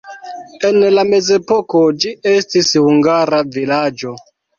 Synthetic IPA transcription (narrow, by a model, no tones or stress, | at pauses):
e̞nlame̞ze̞pokod͡ʒie̞stishuŋɡaɾavilad͡ʒo̞